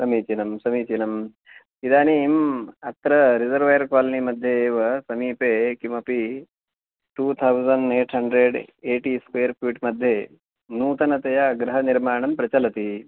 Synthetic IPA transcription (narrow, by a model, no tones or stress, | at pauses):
sɐmiːt͡ʃinɐmsɐmiːt͡ʃinɐm | id̪aːniːmɐt̪ɾɐɾid͡ʒɐɾʋɐjɐɾkaːlɐnimɐd̪ʱjeːʋɐsɐmiːpeːkimɐpi | ʈuːt̪ʰɐwzɐnɖeːʈɦɐɳɖɾeɖeːʈiskʋeːɐɾpiʈmɐd̪ʱje | nuːt̪ɐnɐt̪ɐjɐɡɾɐɦɐniɾmaːɳɐmpɾɐt͡ʃɐlɐt̪i